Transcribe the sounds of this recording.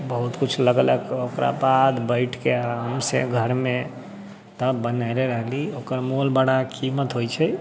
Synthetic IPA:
bəɦut̪kut͡ʃʰləɡləɡokɾʔa̰pad̪bəɪʈʰkeaɦəmsḛɡʱəɾme | t̪əbənaɾeɾəɦliokəɾmolbaɽakimət̪ɦojt͡ʃʰɛ

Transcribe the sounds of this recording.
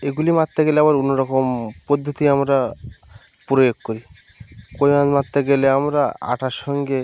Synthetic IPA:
eɡulimat̪ːeɡeleabaɾunːoɾɔkompod̪ʱːot̪iamɾa | pɾojoɡ̚koɾi | kojãd͡ʑmat̪ːeɡeleamɾaa̰ʈʰaʃɔŋɡe

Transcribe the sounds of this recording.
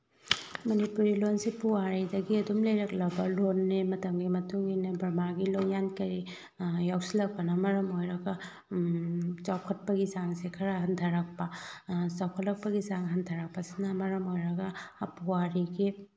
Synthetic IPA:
mɐnipuɾilonsipuwaɾidɐɡiɐdumlɐjɾɐk̚lɐbɐlonːemɐtɐmɡimɐtuŋinebɐɾmaɡilojankɐɾi | jawsilɐk̚pɐnɐmɐɾɐmojɾɐɡɐ | t͡ʃawkʰɐt̚pɐɡizaŋsekʰɐɾɐɦɐntʰɐɾɐk̚pɐt͡ʃawkʰɐtlɐk̚pɐɡizaŋɦɐntʰɐɾɐk̚pɐsinɐmɐɾɐmojɾɐɡɐpuwaɾiɡi

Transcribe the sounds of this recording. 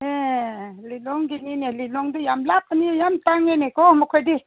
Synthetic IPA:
elilɔŋɡininelilɔŋdijamlap̚anijamtaŋenekɔmɔkʰɔjdi

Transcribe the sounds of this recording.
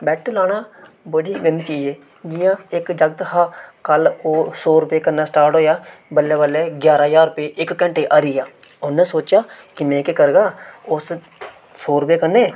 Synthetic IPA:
bɛːʈlaːna | bəɽiɡənt͡ʃiːd͡ʒẽː | d͡ʒɪjãeːkd͡ʒəɡ̚t̪ɦakəlosoːɾʊpekɐɾnasʈaːɾʈɦoːjabəlːebəleɡjaːɾajaːɾʊpeʔɪkːə̃ɳʈeʔaːɾɪjaonẽsoːt͡ʃakimẽːkekəɾɡaːʊs | soːɾʊpekəneː

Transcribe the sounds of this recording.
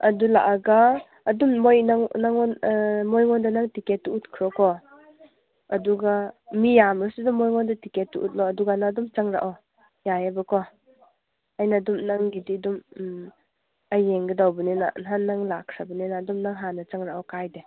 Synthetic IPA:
ɐdulaʔaɡaː | dummojnaŋnaŋɔnmojŋɔndanaŋtiketːuut̚kʰɾɔkɔ | ɐduɡamijamɾasidɔmojŋɔndatiketːuʔut̚lɔɐduɡanadumt͡ʃaŋɾa̰ʔɔ | jajabɯkʰɔ | ajnadumnaŋɡididum | ajeŋɡɯdawbɯnena̰nannːaŋlaksabɯnenadumnaŋɦanat͡ʃaŋɾaʔɔkajde

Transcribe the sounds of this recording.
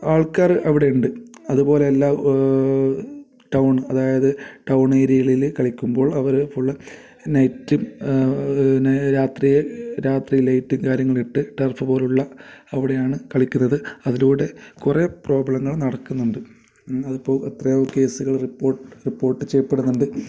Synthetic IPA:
aːɭkaːrɨʔɐʋiɽe̞uɳɖɨɐðubo̞ːle̞ːlːaː | ʈɐwɳɨɐðaːjɐðɨʈɐwɳe̞ːɾiɣɐɭilkɐɭikʲːumbo̞ːɭɐʋɐɾfuɭːɐ | nɐjtːum | nɾaːt̪rijeɾaːt̪rilɐjtːiŋkaːɾjɐŋːɐɭiʈːɨʈɐrfɨpo̞ːluɭːɐɐʋiɽejaːɳɨkɐɭikʲːunːɐðɨɐðiluːɽe̞kurepro̞ːbɐɭɐŋːɐɭnɐɽɐkːunːuɳɖɨ | ɐðupːo̞ːɭɐt̪rɐjoːke̞ːsuɣɐɭripːo̞ːrʈːɨripːo̞ːrʈːɨt͡ɕejɐpːe̞ɽunːuɳɖɨ

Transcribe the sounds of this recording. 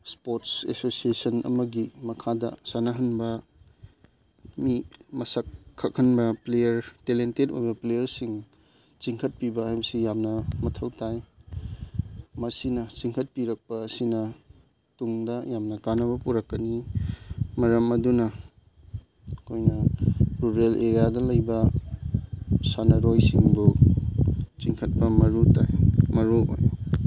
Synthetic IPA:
spotsḛsosiesɐnɐ̰mɐɡimɐkʰadɐ̰sanɐɦɐnbɐ | mimɐsɐkʰːɐk̚hɐnbɐplejɐɾtelentetojbɐplejɐɾsiŋ | t͡ʃiŋkʰɐt̚pibɐhajbɐsijamnɐmɐtʰɐwtaj | mɐsinɐt͡ʃiŋkʰɐt̚piɾɐk̚pɐːsinɐ | tuŋdɐjamnɐkanɐβɐpuɾɐkːɐni | mɐɾɐmɐdunɐ | kʰojnɐpɾuɾelʔeɾijadɐlɐjbɐ | sanɐɾojsiŋbu | t͡ʃiŋkʰɐt̚pɐmɐɾuta̰jmɐɾuo̰j

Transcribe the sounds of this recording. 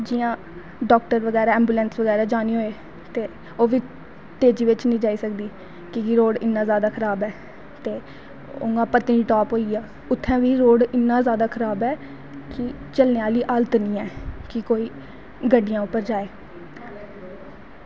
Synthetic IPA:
d͡ʒɪːjãː | ɖɔːk̚ʈəɾʋəɡɛːɾaːɛ̃ːmbuːlɛ̃ːnsʋəɡɛːɾaːd͡ʒaːniːɦoːeː | t̪eː | oːʋiː | t̪eːd͡ʒiːʋɪt͡ʃnĩːd͡ʒaːiːsəkd̪iː | kɪkɪɾoːɽɪnːãːzjaːd̪aːkʰəɾaːbɛː | t̪eː | ʊ̰ŋɡãːpət̪ːĩiʈɔːpɦoːiːaː | ʊt̪ʰːɛ̃ːʋiːɾoːɽɪnːãːzjaːd̪aːkʰəɾaːbɛː | kɪt͡ʃəlneːaːliːʔaːlt̪nĩːɛːkɪkoːiː | ɡəɖɪjãːʊpːəɾd͡ʒaːeː

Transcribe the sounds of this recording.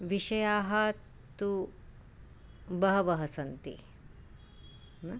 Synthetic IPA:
ʋiʂɐjaːɦɐ | t̪u | bɐɦɐʋɐɦɐsɐnt̪ḭ | nɐ

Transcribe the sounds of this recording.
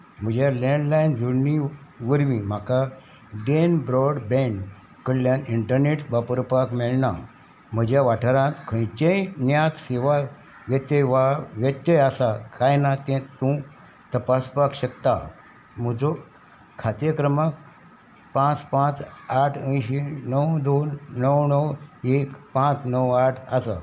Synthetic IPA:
m̤əd͡ʑjalẽɳɖlajnd͡zʱəɽniʋəɾʋĩm̤aka | ɖenbɾɔɽbẽɳ | kəɽljãniɳʈəɾneʈbapəɾpakmeɭna | m̤əd͡ʑjaʋaʈʰəɾãt̪kʰə̃jt͡ɕejnjãt̪seʋa | ʋjət̪jəjʋaʋjət̪ːjəjasakʰajnat̪ɛ̃t̪ũ | t̪əpaspakɕəkt̪a | m̤əd͡zo | kʰat̪jəkɾəmak | pãt͡spãt͡saʈʰə̃jɕinəwd̪onːəwnəwekpãt͡snəwaʈʰasa

